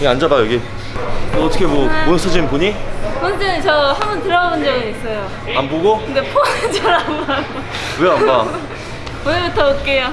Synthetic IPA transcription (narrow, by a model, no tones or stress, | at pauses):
ɡeand͡ʑabajeɡi | ʌt͈ʰʌkʰemwʌmonsʰɯd͡ʑinnpuɲikʌnd͡ʑet͡ɕʌhambʌntɯɾʌɡabond͡ʑʌɡiis͈ʌjo | anboɡokɯndepʰoet͡ɕʌɾamaɡo | kujoamba | onɯɭbutʰʌok͈ejo